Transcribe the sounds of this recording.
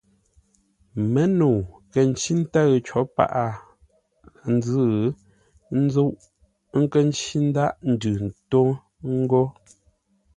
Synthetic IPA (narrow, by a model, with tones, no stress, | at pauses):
mə˦no˨kə˨n̩˦t͡ʃi˦n̩˦ta˦ɣt͡ʃɔ˨˦pa̰˦ʔa˨ | n̩˦d͡zɨ˦˨˦ | n̩˦zo˦ʔ | ŋ̩˦kə˦˨n˦t͡ʃi˦n̩˦da˦ʔn̩˨dʉ˨n̩˨to˦ | ŋ̩˦ɡo˦